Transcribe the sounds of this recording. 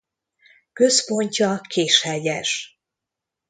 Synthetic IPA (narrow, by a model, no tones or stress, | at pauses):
kø̞spo̞ɲcɒkʰeːʃhɛɟɛʃ